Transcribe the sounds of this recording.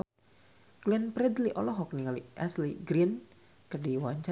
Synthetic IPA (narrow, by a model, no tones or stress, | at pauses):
kliənpɾɛd̪liʔɔlɔɦɔk̚niŋaliʔɛsliɡɾin | kərdiwaɲt͡ʃa